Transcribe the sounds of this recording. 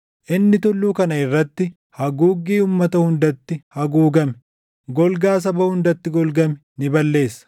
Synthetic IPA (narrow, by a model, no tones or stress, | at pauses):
ʔɪnːɪt̪ɔlːuːkɐnɐɪrːɐt̪ːɪ | hɐɡuːɡiːumːɐt̪ɐhʊnd̪ɐt̪ːɪhɐɡuːɡɐmɛ | ɡɔlɡaːs̬ɐbɐhʊnd̪ɐt̪ːɪɡɔlɡɐmɛ | nɪbɐlːe̞ːsːɐ̥